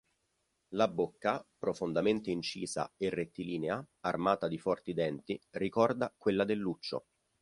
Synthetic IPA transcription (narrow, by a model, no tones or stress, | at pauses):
labokːapɾofond̪ament̪eint͡ʃiːza̰erːet̪ːiliːnea | armaːt̪ad̪ifɔrt̪id̪ɛnt̪irikɔrd̪akwelːad̪elːut͡ʃːo̰